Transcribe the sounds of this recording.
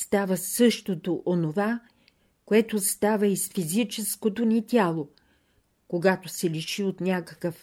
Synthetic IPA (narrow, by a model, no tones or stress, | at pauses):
st̪avəsɤʃt̪ot̪oʔonova | koɛt̪ost̪avəisfizit͡ʃɛskot̪onʲit̪ʲjalˠo | koɡat̪osɛliʃiot̪nʲakə̥kəf